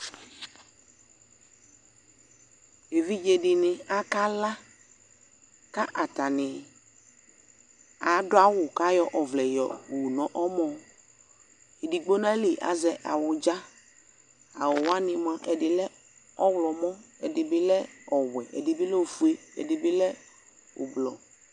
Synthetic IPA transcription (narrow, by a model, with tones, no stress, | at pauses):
e˨vi˦d͡ʒe˨dɪ˨nɪ̃˨a˦ka˦la˦ | ka˦ʔa˨ta˨nɪ˨ | a˨˦dʊ˦a˦wʊ˨ka˦jɔ˦ʔɔ˨vlɛ˨jɔ̰˨u˨nɔ̃˨ʔɔ˦mɔ̃˨ | e˨di˨ɡ͡bo˦nã˦li˨ʔa̰˨zɛ˨ʔa˨wʊ˨d͡ʒa˦ | a̰˨wʊ˨wa˦nɪ̃˨mã˦ʔɛ˨dɪ˨lɛ˦ | ɔ˦wlɔ˨mɔ̃˦ɛ˨dɪ˨bɪ˦lɛ˦ɔ˨wɛ˨ʔɛ̰˨dɪ˨bɪ˦lɛ˦u˨fu˦e˦ɛ̰˨dɪ˨bɪ˦lɛ˦ | ʊ̰˨blɔ̰˨